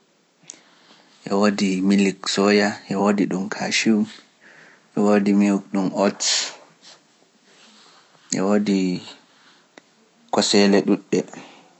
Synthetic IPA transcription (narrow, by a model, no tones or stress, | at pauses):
ʔɛwodimiliksɔjaʔɛwodiɗumkʰaʃiw | ʔɛwodimiwuk̚ɗumɔts | ʔɛ̰wodi | kɔsɛlɛɗuɗːɛ